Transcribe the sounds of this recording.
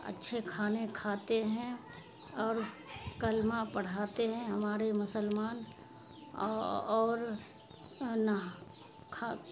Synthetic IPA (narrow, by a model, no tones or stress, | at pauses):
ɐ̰tːʃʰekʰaːnekʰaːt̪eɦɛ̃ | ɔːɾkəlmãpɐɽ̤aːt̪eɦɛ̃ɦɐmaːɾemʊsəlmaːn | ɔːɾ | nə | kʰa